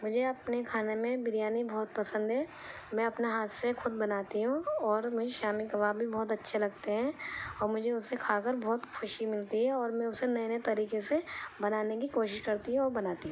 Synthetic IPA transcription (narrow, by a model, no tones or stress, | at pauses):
mʊd͡ʒʱeɐpnekʰaːnemẽbɪɾjaːnibɔːt̪pɐsə̃nd̪ɦɛː | mɛ̃ɐpneɦaːt̪sexʊd̪bɐnaːt̪iɦũɔːɾmʊd͡ʒʱeʃaːmikɐʋaːbʱːibɔːt̪ɐtːʃʰelɐɡt̪eɦɛ̃ɔːɾmʊd͡ʒʱeʊsekʰaːkəɾbɔːt̪xʰʊʃimɪlt̪iɦɛɔːɾmɛ̃ʊsenɐjnet̪ɐɾiːkesebɐnaːnek̬ikoːʃɪʃkɐɾt̪iɦũɔːɾbɐnaːt̪iɦũ